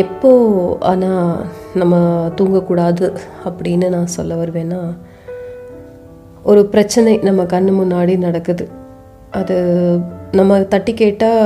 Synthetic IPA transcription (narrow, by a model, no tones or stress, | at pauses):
ɛpːoːa̰ːnaːnɐmːɐt̪uːŋɡɐkːuːɽaːðɯɐpːɐɽɪnːɯnãːsɔ̰lːɐʋɐɾɯʋẽːnːaː | ɔɾɯpɪɾɐt͡ʃːɐnɐɪnɐmːɐkɐɳːɯmʊnːaːɽinɐɽɐkːɯðɯ | ɐðɯ | nɐmːɐt̪ɐʈːikeːʈːaː